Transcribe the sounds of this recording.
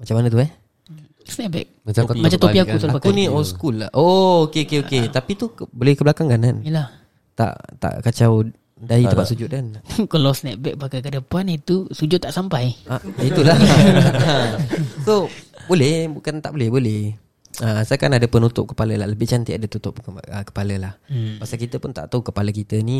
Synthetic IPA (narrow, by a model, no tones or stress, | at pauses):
mat͡ʃamanət̪uɛh | snɛt̚bɛ̰k̚amat͡ʃamt̪opiakkusaluaakuniɔlskulaʔookeokeoket̪apit̪ukbolɛhkəblakaŋɡananjəlah | t̪a̰ʔt̪a̰ʔkat͡ʃaw | dait̪əmpat̪ʔ̪sud͡ʒʊt̪̚kankəlawsnɛt̪̚bɛk̚bakakədəpanit̪usud͡ʒʊt̪ːaʔsampajait̪ula | sobolɛhbukant̪aʔbolɛhbolɛh | əsajakanadəpənut̪ʊp̚kə̥paləlahləbɪht͡ʃant̪iadət̪ut̪ʊp̚əkə̥paləlahpaʔsalkit̪əpʊnt̪a̰ʔt̪aukəpaləkit̪əni